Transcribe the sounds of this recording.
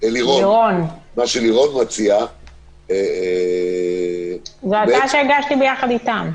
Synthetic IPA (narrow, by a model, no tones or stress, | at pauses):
eliʁoliʁonmaʃeliʁo̞nmat͡sia | e | zoataʃeɡaʃtibejaχad̪it̪am